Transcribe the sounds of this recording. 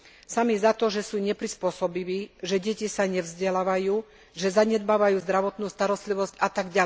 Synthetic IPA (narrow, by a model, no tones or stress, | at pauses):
samizat̪ɔʒɛsuːɲɛpɾispʊɔsɔbiʋiːʒɛɟɛcisaɲɛvzɟɛlaːʋajuː | ʒɛzaɲɛd̪baːʋajuːzd̪ɾaʋɔt̪nuːst̪aɾɔst̪liʋɔscat̪aɡɟa